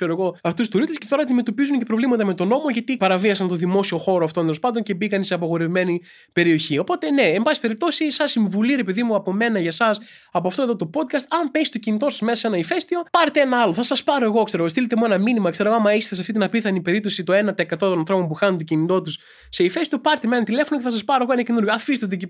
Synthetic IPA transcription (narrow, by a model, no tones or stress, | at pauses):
kseɾoɣo̞ɐft̪ust̪uɾist̪escet̪o̞ɾɐnd̪ime̞t̪o̞pizunce̞pɾovlimɐt̪ɐme̞t̪ono̞mo̞ʝɐt̪ipɐɾɐviɐsɐnt̪o̞ðimo̞sio̞xo̞ɾoɐft̪ond̪elospɐnd̪once̞bikɐnseɐpɐɣo̞ɾe̞vime̞ni | pe̞ɾio̞çio̞po̞t̪e̞ne̞embɐspe̞ɾip̚t̪o̞sisɐsːiɱvuliɾe̞peðimuɐpo̞me̞nɐʝɐsɐs | ɐpoɐft̪o̞eðot̪o̞po̞d̪̚kɐst̪ɐmpest̪o̞cinit̪o̞sɐzmesɐse̞nɐife̞st̪io̞pɐɾet̪eenɐɐlo̞θɐsɐspɐɾo̞e̞ɣo̞kse̞ɾoost̪ilet̪emuenɐminimɐkse̞ɾooɐmɐist̪esɐft̪it̪inɐpiθɐnipe̞ɾip̚t̪o̞sit̪o̞e̞nɐt̪eekɐt̪o̞t̪o̞nɐnθɾo̞po̞mpuxɐnunt̪ocinit̪o̞t̪us | se̞ife̞st̪io̞pɐɾt̪emenɐnt̪ile̞fo̞noceθɐsɐspɐɾoeɣoenɐcenuɾʝoɐfist̪et̪ee